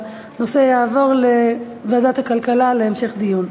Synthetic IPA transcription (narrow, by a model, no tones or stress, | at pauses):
nosejaːvo̞ʁle | vad̪at̪hakalkalaleːmʃeχd̪ijun